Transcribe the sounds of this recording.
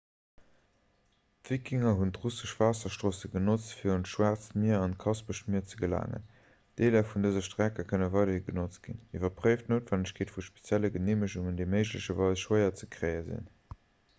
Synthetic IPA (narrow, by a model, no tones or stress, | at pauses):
tv̥ikʰiŋɐɦuntʁusəʃv̥aːsɐʃtʁoːsəɡənot͡stfiːɐʁuntʃwaːʁt͡stmiɐɑnt̚kʰɑsbəʃtmiɐt͡səɡəla̰ːŋə̰n | d̥eːlɐfundəzɐʃtʁækɐkʰənəvɑɪɾɐiɡənot͡s̚ɡ̥ḭnivɐpʁəɪftnoːtvænəɕkʰeːtfuʃpe̥t͡sjæləɡəneːməʃuŋəndəɪməɪʒləɕɐvɑɪsʃwəɪɐt͡səkʁ̥ɜɪəzḭn